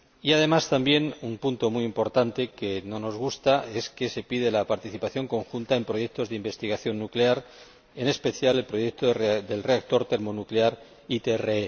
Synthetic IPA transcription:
iaðe̞mast̪ambje̞numpunt̪o̞mujimpo̞ɾt̪ant̪e̞ke̞no̞no̞zɣ̞ust̪ae̞ske̞se̞pið̞e̞lapaɾt̪iθipaθjo̞ŋko̞ŋxunt̪ae̞mpɾo̞je̞k̚t̪o̞zðeimbe̞st̪iɣaθjo̞nːukleaɾ | e̞ne̞spe̞θjale̞lpɾo̞je̞k̚t̪oðe̞lre̞ak̚t̪o̞ɾt̪e̞ɾmo̞nukleaɾ | it̪eree

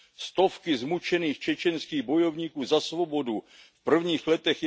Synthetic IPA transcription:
st̪o̞fkɪzmut͡ʃɛniːxt͡ʃɛt͡ʃɛnskiːɣbo̞jo̞vɲiːkuːzasvo̞bo̞du | fpr̩vɲiːxlɛt̪ɛxj

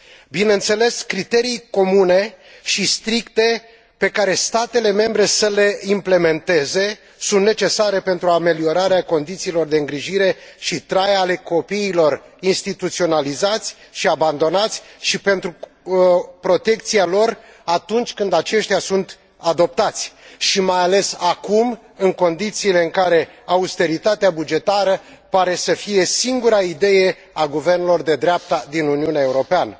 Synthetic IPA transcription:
bineɨnt̪se̞le̞skɾit̪e̞ɾijko̞mune̞ | ʃist̪ɾikt̪e̞ | pe̞kaɾe̞st̪at̪e̞le̞me̞mbɾe̞səle̞imple̞me̞nt̪e̞ze̞ | sunt̪ne̞t͡ʃe̞saɾe̞pe̞nt̪ɾuame̞lio̞ɾaɾeako̞nd̪it̪siːlo̞rd̪e̞ɨŋɡɾiʒiɾe̞ʃit̪ɾajale̞ko̞piːlo̞r | inst̪it̪ut̪sio̞nalizat̪sʲ | ʃiaband̪o̞nat̪sʲʃipe̞nt̪ɾu | pɾo̞t̪e̞kt̪sialo̞r | at̪unt͡ʃʲkɨnd̪at͡ʃe̞ʃt̪ʲjasunt̪ | ad̪o̞p̚t̪at̪sʲʃimajale̞sakum | ɨŋko̞nd̪it̪siːle̞ɨŋkaɾe̞ | aust̪e̞ɾit̪at̪eabud͡ʒe̞t̪aɾəpaɾe̞səfije̞siŋɡuɾaid̪e̞je̞ | aɡuve̞rnelo̞rd̪e̞d̪ɾeap̚t̪ad̪inuniuneae̞uɾo̞peanə

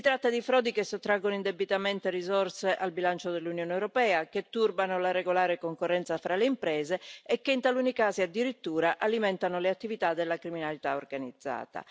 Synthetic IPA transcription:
sit̪ɾat̪ːad̪ifɾɔːd̪ikesːot̪ːɾaɡːonoind̪ɛbːit̪amɛnt̪erizɔrseʔalbilant͡ʃod̪elːunjɔːnːwɾopɛːaket̪ːurbanolaɾeɡolaːɾekoŋkorːɛnt̪safɾʔaleimpɾɛːzeɛkːeint̪alunikaːziad̪ːiɾit̪ːuːɾaʔalimɛnt̪anoleat̪ːivit̪ad̪ːelːakɾiminalit̪aorɡanid̪zːa̰ːt̪a̰

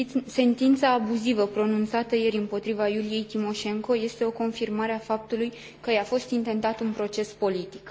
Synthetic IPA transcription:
se̞nt̪int̪saːbuzivəpɾo̞nunt̪sat̪əje̞ɾʲɨmpo̞t̪ɾivajulije̞jt̪imo̞ʃe̞ŋko̞je̞st̪eo̞ko̞nfirmaɾeafap̚t̪uluj | kəjafo̞st̪int̪e̞nt̪at̪unpɾo̞t͡ʃe̞spo̞lit̪i̥k

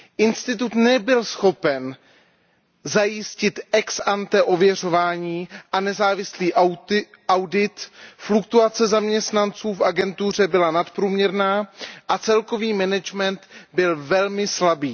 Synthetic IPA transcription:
ʔɪnst̪ɪt̪ut̪nɛbɪlsxo̞pɛn | zajɪscɪt̪ʔɛksʔant̪ɛʔo̞vjɛr̝o̞vaːɲiːʔanɛzaːvɪsliːʔ | ʔawdɪt̪flukt̪uat͡sɛzamɲɛst̪nant͡suːfʔaɡɛnt̪ur̝ɛbɪlanat̪pɾuːmɲɛɾnaːʔat͡sɛlko̞viːmɛnɛd͡ʒmɛnt̪bɪlvɛlmɪslabiː

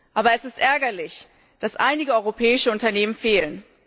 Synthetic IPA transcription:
ʔaːbɐɛsɪstʔɛɐɡɐlɪç | d̥asʔa̰ɪnɪɡəɔʏʁopʰɛːɪʃəʊntɐneːmənfeːlən

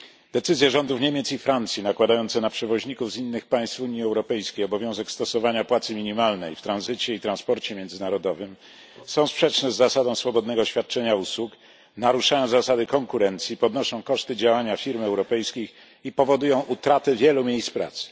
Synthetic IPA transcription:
d̪̥ɛt̪sɘzʲjɛʐɔnd̪ufɲemʲjɛt̪sifɾant̪sʲjinakwad̪ajɔnt̪sɛnapʂɛvɔʑɲikuvzinːɘxpaj̃st̪fuɲiɛwɾɔpɛjskʲejɔbɔvʲjɔ̃w̃zɛkst̪ɔsɔvaɲapwat̪sɘmʲiɲimalnɛjft̪ɾanzɘt͡ɕɛit̪ɾanspɔɾt͡ɕɛmʲjɛnd̪zɘnaɾɔd̪ɔvɘm | sɔ̃w̃spʂɛt͡ʂnɛzːasad̪ɔ̃w̃sfɔbɔd̪nɛɡɔɕfʲjat̪̚t͡ʂɛɲauswuk | naɾuʂajɔ̃w̃zasad̪ɘkɔŋkuɾɛnt̪sʲjipɔd̪nɔʂɔ̃w̃kɔʂt̪ɘd͡ʑawaɲafʲiɾmɛwɾɔpɛjskʲix | ipɔvɔd̪ujɔ̃w̃ʔut̪ɾat̪ɛvʲjɛlumʲjejspɾa̰t̪sɘ̥

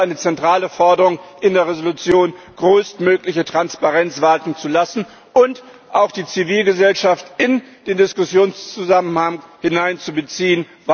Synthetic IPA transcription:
ʔaɪnət͡sɛntʁ̥aːləfɔɐdəʁʊŋʔɪndeːɐʁezolut͡sjoːn | ɡ̥ʁøːstmøːklɪçətʁ̥anspaʁɛnt͡sv̥aːtn̩t͡sulasn̩ | ʊnt | ʔaʊxd̥iːt͡siviːlɡəzɛlʃaftɪnd̥eːndɪskʊsjoːnst͡suzamənhaŋhɪnaɪnt͡subət͡siːən | va

